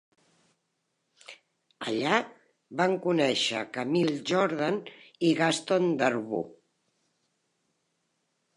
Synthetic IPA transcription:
ə̰ʎa | baŋkunɛʃə̰kamilˠʒɔɾðaniɣast̪ond̪əɾβṵ

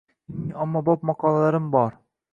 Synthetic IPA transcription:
amːɒbɒp̚mɑqʰɒlˠalaɾɪmbɒɾ

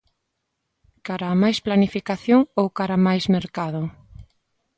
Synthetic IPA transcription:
kaɾaːmajsplanifikaθjoŋowkaɾamajzmeɾkaðʊ

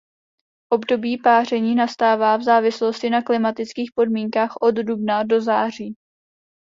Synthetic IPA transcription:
ʔo̞bdo̞biːpaːr̝ɛɲiːnast̪aːvaːvzaːvɪslo̞scɪnaklɪmat̪ɪt͡skiːxpo̞dmiːŋkaːxʔo̞ddubnado̞zaːr̝iː

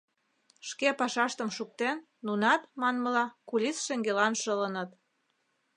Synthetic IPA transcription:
ʃkepɑʃɑʃt̪əmʃuk̚t̪enːunɑt̪mɑnməlɑkulʲisʃeŋɡelɑnʃələnə̆t̪

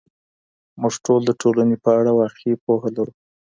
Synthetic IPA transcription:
muʐʈold̪əʈʰolanepəaɽawaqipohalaɾu

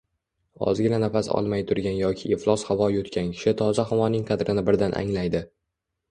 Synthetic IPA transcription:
ɒ̰zɡʲɪnanafasɒ̰lˠmajt̪ʰʊɾɡʲanjɒkʲʰɪeflˠɒshavɒjɪot̪kʲʰankʲʰɪ̥ʃɪt̪ʰɒzaɦɒmɒnɪŋqʰɑd̪ɾɪnɪbɪɾd̪anʔa̰ŋlajd̪ɪ

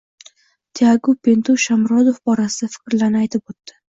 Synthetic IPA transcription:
t̪ʰeaɡupʰe̞nt̪ʰuʃamɾɒd̪ofbɒɾasɪd̪afɪ̥kʲɾlaɾnɪajt̪ʰɪpot̪ːɪ̥

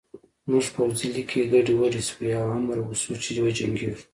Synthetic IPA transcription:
muʐpawzilikʰeɡaɖiwaɽiswiawamaɾwusut͡ʃed̪wad͡ʒaŋɡi

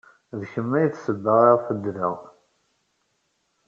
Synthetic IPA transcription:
ðçəmːæjθsəbːəʁɑʁfəd̪ːɾiə̰ʁ

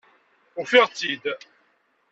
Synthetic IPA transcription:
ʊʁfiʁt͡sːid̪

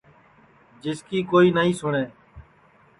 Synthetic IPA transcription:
d͡ʒɪskiːkoːiːnaːĩːsʊɳeː

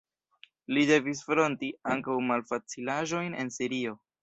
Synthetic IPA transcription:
lide̞vis̬fɾo̞ntiaŋkawmalfat͡silaʒo̞jne̞̰nsiɾio̞

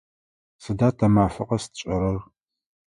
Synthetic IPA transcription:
sɨdaːtʰɐmaːfɨqʼɐstʰt͡ʃʼɐɾɐr

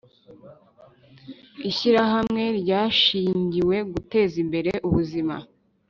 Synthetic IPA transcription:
iʃiɾaɦamŋe̞ɾɟaːʃiːɲɟiwe̞ɡute̞ːzimbe̞ɾe̞ʔuβuzima̰

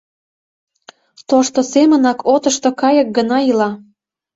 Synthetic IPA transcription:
t̪oʃt̪osemə̆nɑkʰot̪əʃt̪okɑjək̚ɡənɑilɑ

